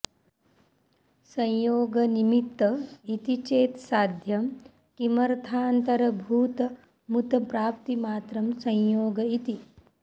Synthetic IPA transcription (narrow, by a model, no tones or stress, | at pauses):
sɐ̃jjoːɡɐnimit̪ːɐit̪it͡ʃeːt̪saːd̪ʱjɐm | kimɐɾt̪ʰaːnt̪ɐɾɐbʱuːt̪ɐ | mut̪ɐpɾaːpt̪imaːt̪ɾɐmsɐ̃j̃joːɡɐit̪i